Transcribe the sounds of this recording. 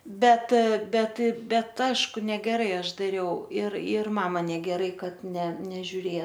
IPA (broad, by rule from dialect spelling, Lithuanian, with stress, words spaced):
ˈbʲɛt ˈbʲɛt ˈbʲɛt ˈɑːʃkʊ nʲɛɡʲɛˈrɐɪ ˈɐʃ dɐˈrʲɛʊ ɪr ɪr ˈmɑːmɐ nʲɛɡʲɛˈrɐɪ ˈkɐt nʲɛ nʲɛʒʲʊˈrʲeːjɛ